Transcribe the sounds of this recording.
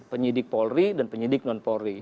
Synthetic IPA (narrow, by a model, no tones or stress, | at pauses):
pəɲidɪk̚pɔlridanpəɲidɪk̚nɔnpɔɾi